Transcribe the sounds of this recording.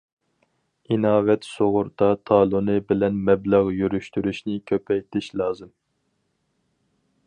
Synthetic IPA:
inɑːvɛt̪soʁʊɾd̪ɑt̪ʰɑːlˠunɨbɪlɛnmɛblɑʁjyɾyʃt̪yɾyʃnɪkʲʰøpʰɛjt̪ʰɪʃlˠɑːzɨm

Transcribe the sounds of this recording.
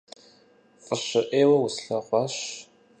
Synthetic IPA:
fʼəɕɨʔeːwɐwusɬɐqʷɑɕ

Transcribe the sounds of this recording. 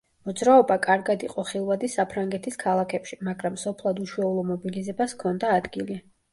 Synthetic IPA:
mɔd̪zɾaɔbakʼaɾɡad̪iqʼɔχilˠvad̪isapʰɾaŋɡɛt̪ʰiskʰalˠakʰɛpʃimaɡɾamsɔpʰlˠad̪uʃuɛulˠɔmɔbilizɛbaskʰɔnd̪aːd̪ɡili

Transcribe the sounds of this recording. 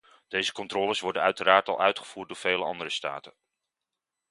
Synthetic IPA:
d̥ejzəkɔntrɔːləsʋɔɹdənœɥtəɾaːɹtɑ̰lˠʔœɥtχəv̥uːɹt̚dʊːɹv̥ejləɑ̰ndərəsta̰ːtən

